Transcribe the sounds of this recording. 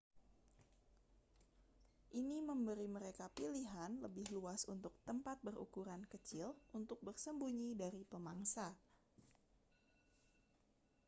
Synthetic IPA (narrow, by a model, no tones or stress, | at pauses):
ʔiniməmbəɾiməɾekapiliɦanləbɪhluasunt̪ʊk̚t̪əmpat̪̚bəɾṵkuɾankət͡ʃɪlunt̪ʊk̚bərsəmbuɲidaɾipəmaŋsa